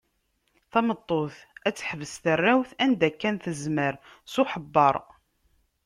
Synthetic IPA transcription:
θɑmət̪ˤːoθ | æt͡sːħəvəsθərːæwθænd̪ækːænθəzməɾ | suħəbːɑɾˤ

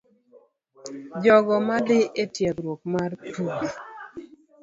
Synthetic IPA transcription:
d͡ʒɔɡɔmadɪʔetjɛkɾwok̚martua

